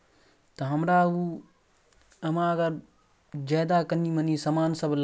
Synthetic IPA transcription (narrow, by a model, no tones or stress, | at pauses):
t̪ɐɦɐmɾau | ɐmãɐɡəɾ | d͡ʒɐːd̪akɐniːmɐnisɐmaːnsɐbl